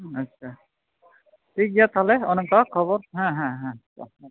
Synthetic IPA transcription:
ətːʃʰa | tʰik̚ɡat̪ʰaleɔnɔmt̪akʰɔbɔɾɦãɦɛ̃ɦãa̰

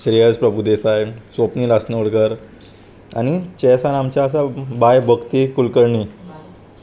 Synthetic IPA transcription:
ɕɾijəd͡zpɾəbʱud̪esajsʋopniːlasnəuɽɡəɾ | a̰ñit͡ɕɛsanamt͡ɕjaəsabajbʱəɡt̪ikulkəɾɳi

